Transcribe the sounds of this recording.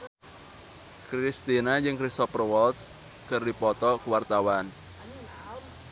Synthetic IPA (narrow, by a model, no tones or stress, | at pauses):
kɾist̪inad͡ʒɨŋkɾist̪ɔprwɔlt̪s | kɨrdipɔt̪ɔkuwart̪awan